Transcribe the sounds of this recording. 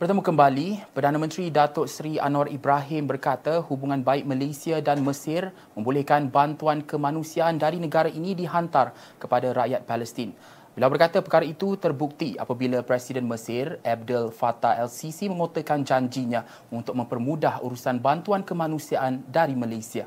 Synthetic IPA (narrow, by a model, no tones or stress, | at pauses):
pərt̪əmukəmbalipərdanãmə̃nt̪ɾidat̪ɔʔsɾia̰nɔribɾaɦɪmbərkat̪ahubuŋãnbaɪk̚məlesiadanməsɪr | mə̃mbulɛhkanbant̪uankəmanũsiaʔːndaɾinəɡaɾaʔinĩdiɦant̪ar | kəpadaɾaʔjat̪̚paləst̪in | bilawbərkat̪apəkaɾait̪ut̪ərbuk̚t̪ia̰pabilapɾɛsidənməsɪrɛb̚dəlfat̪aʔɛlsisimə̃ŋot̪əkand͡ʒaɲd͡ʒiɲã | unt̪ʊk̚mə̃mpərmudahṵɾusanbant̪uankəmanũsiaʔandaɾimalasia